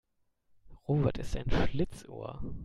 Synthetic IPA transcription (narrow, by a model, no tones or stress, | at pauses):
ʁoːvɛɐtɪsta̰ɪnʃlɪt͡sʔo̰ːɐ